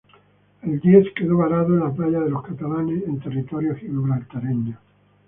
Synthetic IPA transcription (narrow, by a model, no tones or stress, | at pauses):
eld̪jeθkeðoβaɾaðoenlaplaʎaðelo̞skat̪alanesent̪erit̪oɾjohiβuβɾalt̪aɾeɲa